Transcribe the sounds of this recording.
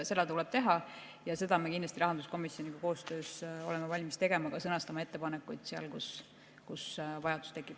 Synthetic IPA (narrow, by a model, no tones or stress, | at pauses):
se̞lːet̪ulɛb̥̚t̪e̞ɦɑ | jɑse̞d̪ɑmekindlɑst̪iɾɑɦɑnd̪usko̞misːjonʲikɑko̞ːst̪ø̞ːso̞̰lɛmevɑlʲmist̪e̞ɡe̞mɑkɑsɤnɑst̪ɑmɑe̞t̪ːe̞pɑnekːˑujd̪̥seɑ̰lkus | kusvɑjɑd̪̥u̥st̪e̞kːˑip